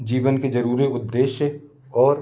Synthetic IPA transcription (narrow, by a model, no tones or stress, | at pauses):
d͡ʒiːʋənked͡ʒɐɾuːɾiʊd̪ːeːʃjə | ɔːɾ